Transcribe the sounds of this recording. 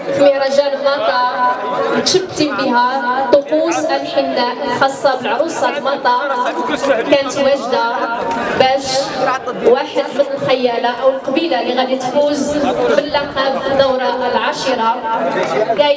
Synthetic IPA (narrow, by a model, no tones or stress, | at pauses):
məɾˤɑʒæləlmɑt̪ˤɑ | t̪ʃəbt̪imbiɦæt̪ˤːoquzʔælħinːæxɑsˤːɑbəlʕɾusˤɑlmɑt̪ˤɑ | kænət̪wæʒd̪abæʃ | waħəd̪mənəlxæjːælaʔəwəlqɑbilalːiɣæd̪it̪fuzbəlːaqæbənːawɾˤɑəlʕaʃiɾˤɑ | ɡæ